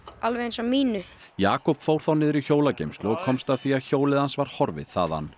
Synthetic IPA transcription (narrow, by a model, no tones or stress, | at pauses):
alvensɔmːiːnʏ | jaːkɔpfowɾ̥θawnɪðɾiçoːwlacejmst̪lʏɔɣkʰɔmst̪aðθiaðçoːwlɪðhansvaɾ̥hɔɾvɪ̰ð̥θa̰ːða̰nː